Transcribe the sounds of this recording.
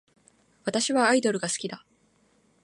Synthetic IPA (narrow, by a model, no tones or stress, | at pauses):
βat̪aɕiβaːid̪o̞ɾɯ̟ɡasɨ̥kʲid̪a